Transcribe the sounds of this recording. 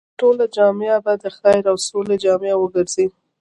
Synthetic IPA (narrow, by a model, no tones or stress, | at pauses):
ʈolad͡ʒɑmeabad̪əxɑjɪɾawsoled͡ʒɑmjawəɡəɾzi